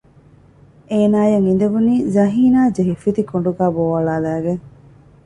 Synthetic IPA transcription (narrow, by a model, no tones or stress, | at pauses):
eːnaːjɐŋind̪ɐʋuniːzɐɦiːnaːd͡ʒeɦifit̪ikoɳɖuɡaːboːʋɐɭaːlæːɡeŋ